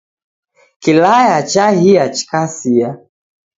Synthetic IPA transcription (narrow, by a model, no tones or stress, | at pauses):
kilajat͡ʃahiat͡ʃi̥kasia